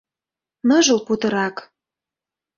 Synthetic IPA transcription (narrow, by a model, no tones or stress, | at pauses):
nɤʒɤ̆lput̪ɤ̆ɾɑk